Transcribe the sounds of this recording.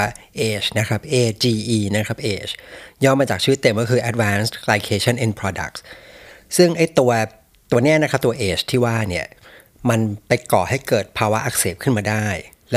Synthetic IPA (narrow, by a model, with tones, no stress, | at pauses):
ʔeː˨˩t͡ɕna˦˥kʰa˦˥p̚ʔeː˧t͡ɕiː˧ʔiː˧na˦˥kʰa˦˥p̚ʔeː˨˩t͡ɕʰjɔː˥˩mːaː˧t͡ɕaː˨˩kt͡ɕʰiː˦˥˦t̪ːe˧mkɔ˥˩kʰɯː˧ʔɛ˧t̪̚waː˦˥nsʰlaː˧kʰeː˧˥t͡ɕʰɔ˥˩nʔe˧npʰɾɔː˧da̰˨˩k̚ssɯ˥˩ŋʔa˥˩jt̪u˧ɐ | t̪u˧ɐni˦˥ɐna˦˥kʰa˦˥p̚t̪u˧ɐʔeː˨˩t͡ɕʰt̪ʰiː˥˩waː˥˩ni˥˩ɐ | ma˧npa˧jkɔː˨˩ha˥˩jkɤː˨˩t̪̚pʰaː˧wa˦˥ʔa˧˩k̚seː˨˩p̚kʰɯ˥˩nmaː˧daː˥˩j | lɛ˦˥